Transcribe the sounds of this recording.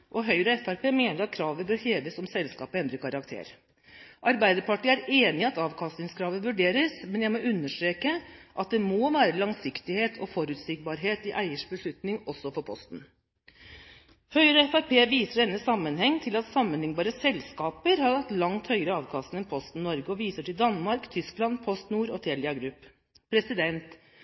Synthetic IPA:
ʔɔɦœʏɾəɛfæɾpʰeːmeːnəɾɑt̪̚kʰɾɑːʋəbøːɾheːʋəsɔmsɛlskɑ̰ːpəɛnd̪ɾəkʰɑɾɑkt̪ʰḛːɾ | ʔɑɾbæɪd̪əɾpɑʈiːæɾeːnɪɑt̪ɑːʋkʰɑst̪ɪŋskʰɾɑːʋəʋʉɖeːɾəsmɛnjæɪmɔʔʉnːəʂʈɾeːkəʔɑt̪̚d̪ɛmoʋæːɾəlɑŋsɪkt̪ɪheːt̪ʰɔfɔɾʉːt̪sɪk̚bɑɾɦeːt̪ɪʔæɪəʂbəʂɭʉt̪nɪŋɔsːɔfɔɾpʰɔ̰st̪n̩ | hœʏɾɔɛfæɾpeːʋiːsəɖɛnːəsɑmːənhɛŋːt̪ʰɪlɑt̪sɑmːənlɪŋbɑːɾəsɛlskɑːpəɾhɑɾɡɑt̪lɑŋt̪hœʏəɾəɑːʋkʰɑst̪n̩ɛnpʰɔst̪n̩nːɔɾɡəɔʋiːsəʈɪld̪ɑnːmɑɾkt̪ʰʏsklɑnpʰɔst̪nuːɾɔt̪ʰeːlɪɑɡɾʉpː | pʰɾɛsɪd̪ɛnt̪

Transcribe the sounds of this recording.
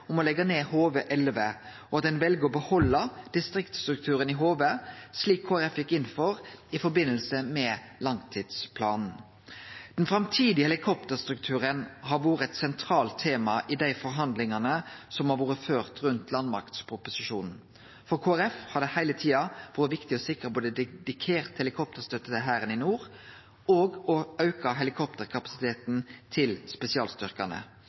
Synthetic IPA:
ɔmɔlɛɡəneːhoːʋəʔɛlʋə | ɔɑt̪̚d̪ɛnʋɛlɡəɔbəhɔlːəd̪̥ɪst̪ɾɪkt̪st̪ɾʉkt̪ʰʉːɾənɪɦoːʋəsliːkʰːoːæɾɛfjɪkːɪnːfɔʁɪfɔɾbɪnːəlsəmɛ | lɑŋt̪ʰiːd̪spʰlɑːnn̩ | d̪̥ɛnfɾɑmt̪ʰiːd̪ɪəɛlɪkʰɔp̚t̪əst̪ɾʉkt̪ʰʉːɾənɦɑːʋoːɾəɛt̪sɛnt̪ʰɾɑːlt̪ʰːeːmɑʔɪd̪æɪfɔɾɦɑnd̪lɪŋɑnəsɔmhɑɾʋuːɾəføːʁt̪ʁʉnt̪ʰlɑnmɑ̰ɾkt̪spʰɾʊpʊsɪʃuːnn̩ | fɔɾkʰoːæɾɛfhɑd̪ɛhæɪlət̪ʰiːɑʋoːɾəʋɪkt̪ɪɔsɪkːəʁpʰod̪ɛd̪ɪkʰeːʁt̪hɛlɪkʰɔp̚t̪əʁst̪œt̪ːət̪əɦæːɾənɪnuːɾ | oːɡɔɑʉkɑɦɛlɪkʰɔpt̪əʁkʰɑpɑ̥sɪ̥t̪ʰeːt̪n̩t̪ʰɪlspɛsɪɑːlst̪ʏʁkɑnə̰

